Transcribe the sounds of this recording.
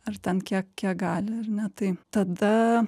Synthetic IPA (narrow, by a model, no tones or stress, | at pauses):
ɐɾt̪ʲɛnkʲiɛkkʲiɛk̚ɡɑːlʲɪɐɾnʲɛt̪ɐɪt̪ɐd̪ɐ